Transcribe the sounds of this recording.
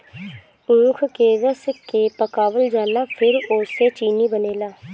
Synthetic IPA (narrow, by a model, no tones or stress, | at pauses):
ũːkʰkeːɾəskːeːpəkaːʋəld͡ʒaːlaːpʰɪɾoseːt͡ʃiːniːbəneːlaː